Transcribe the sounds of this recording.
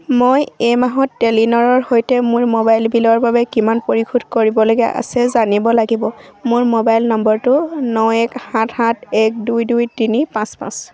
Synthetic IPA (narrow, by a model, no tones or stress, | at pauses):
mojemaɦɔtːelinɔɹɔɹhojtɛmʊɹmobajlbilɔɹbabɛkimanpoɹikʰudkoɹibɔloɡɛ̰ʔa̰sɛzanibɔlaɡibɔmʊɹmobajlnɔmbɔɹtʊnɔɛkhãthatɛk̚dujdujtinipãspã̰s